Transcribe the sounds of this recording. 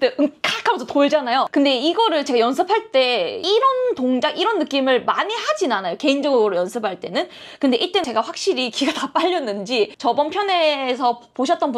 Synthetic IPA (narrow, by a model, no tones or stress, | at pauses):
teʔɯŋk͈ʰakʰːabʌsʰʌtoeɭd͡ʑanajokɯnde̞iɡʌɾɯɭt͡ɕe̞ɡajʌns̬ʰɯpʰaɭt͈e̞iɾʌntoŋd͡ʑaŋiɾʌnːɯk͈imɯɭmaɲihad͡ʑinanajoke̞ind͡ʑʌɡɡɯɾojʌnsʰɯpʰaɭt͈e̞nɯn | kɯnde̞ʔiɭt͈e̞ne̞ɡaɸwak̚ɕ͈iɾikiɡatap͈aʎːʌnːɯnd͡ʑit͡ɕʌbʌnpʰjʌne̞sʰʌpoɕ̬ʰʌt͈̚ʌnbu